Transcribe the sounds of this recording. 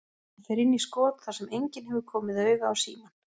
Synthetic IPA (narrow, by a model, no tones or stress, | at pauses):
ɛθejɾɪnːiskɔːt̪θasɛmejɲcɪnɦɛvʏɾkʰɔːmɪðœːɥɣaawsḭːman